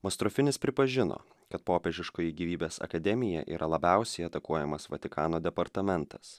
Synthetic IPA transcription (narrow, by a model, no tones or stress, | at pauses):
mɐst̪ɾɔfʲɪnʲɪspʲɾʲɪpɐʒʲɪno̰ː | kɐt̪̚poːpʲɛʒʲɪʃkoːjɪɡʲiːʋʲiːbʲeːsɐ̰kɐd̪ʲɛmʲɪjɛ̰ʔḭːɾʔɐlˠɐbʲɛˑʊsʲɛɪɐt̪ɐkuɔjɛmɐsʋɐt̪ʲɪkɑːnoːd̪ʲɛpɐɾt̪ɐmʲɛnt̪ɐs